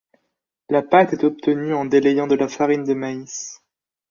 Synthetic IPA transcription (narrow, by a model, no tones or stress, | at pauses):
lapat̪ɛt̪ɔp̚t̪ənyɑ̃d̪elejɑ̃d̪əlafaʁind̪əmais